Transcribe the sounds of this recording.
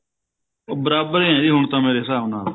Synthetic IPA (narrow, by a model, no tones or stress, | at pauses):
bəɾaːbəɾeːɛ̃ːd̪iːɦʊɳt̪ãːmeːɾeːsaːnaː